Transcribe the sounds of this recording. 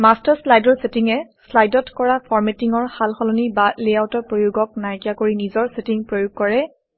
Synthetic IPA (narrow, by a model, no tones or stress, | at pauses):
mastaɹslajdɔɹsetiŋɛslajdɔtkɔɹapʰɔɹmetiŋɔɹxalxɔlɔnibaleawtɔɹpɹojuɡɔk̚najkijakoɹinizɔɹsetiŋpɹojʊɡ̚kɔɹɛ